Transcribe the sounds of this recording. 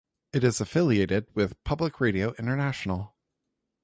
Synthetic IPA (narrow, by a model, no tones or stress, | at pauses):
ɨɾɨzɨfɪlˠieɪɾɪd̚wɪð̥pʰʌbləkʰɹeɪɾioʊʔɪ̃ñtə˞næʃn̩l̩ˠ